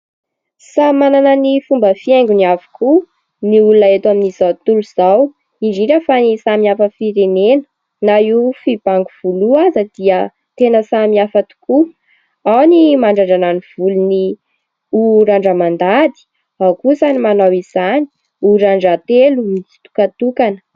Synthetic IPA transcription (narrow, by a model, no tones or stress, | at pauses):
samananənifumbəfiɛŋɡuniavu̥kʰu | niulunaet̪aminizawt̪uluz̥aw | iɖ͡ʐiɾəfanisamiafəfiɾenenə̥ | naifib̥aŋɡuv̥uluazəd̪̥iə | t̪enəsamiafat̪u̥ku | awnimaɳɖ͡ʐaɳɖ͡ʐananiv̥uluni | uɾaɳɖ͡ʐəmand̪ad̪i̥ | awkuzanimanawiz̥ani̥ | uɾaɳɖ͡ʐat̪eluizi̥t̪u̥kat̪ukanə̥